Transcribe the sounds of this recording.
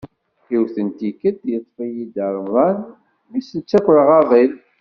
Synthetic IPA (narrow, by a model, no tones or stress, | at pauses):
iwθənt̪ikəd̪jət̪ˤːfijid̪əɾˤmðˤɑn | misənt͡sːækʷːlʁɑðˤil